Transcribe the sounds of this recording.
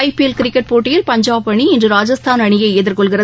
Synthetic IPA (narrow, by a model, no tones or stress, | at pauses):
ɪpilkɪɾɪkːɐʈ̚poːʈːɪjɪlpɐɲd͡ʒaːpːɐɳiɪndrɯɾaːd͡ʒɐst̪ʰaːnɐɳɪjɐɪeːðɪɾkɔɭɣɪrɐ